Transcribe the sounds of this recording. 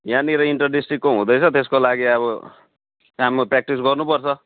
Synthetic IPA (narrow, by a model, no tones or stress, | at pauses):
janiɾʌiɳʈʌrɖisʈrikːoɦũd̪ʌjt͡sʰʌt̪eskolaɡiʌβʌ | kamaprak̚ʈis̬ɡʌrnupʌrt͡sʰʌ